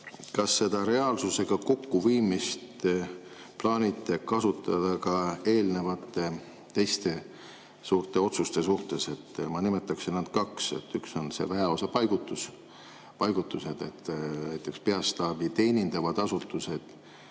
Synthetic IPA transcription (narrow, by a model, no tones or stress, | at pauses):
kɑsːe̞d̪̥ɑɾe̞ɑːlsuse̞ɡ̥ɑko̞kːuviːmist̪ | plɑːnʲit̪ˑːekɑsut̪ːˑɑd̪̥ɑkɑe̞ːlne̞vɑt̪ːˑe | t̪ːe̞jst̪e̞ | suːrt̪e̞o̞t̪sust̪e̞s̬uht̪e̞se̞t̪ːmɑnimet̪ːˑɑksinnɑd̪̥kɑkse̞̰t̪ːykso̞nse̞̰væeo̞sɑpɑjɡ̥ut̪ːus | pɑjɡ̥ut̪ːˑuse̞d̪̥e̞̰t̪ːnæjt̪ˑːe̞kspe̞ɑst̪ɑːbit̪e̞ːnʲind̪̥ɑvɑd̪̥ɑsut̪ːˑuse̞d̪̥